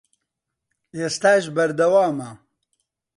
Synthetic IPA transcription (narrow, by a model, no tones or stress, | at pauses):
est̪aːʒbɐɾd̪ɐwaːmɐ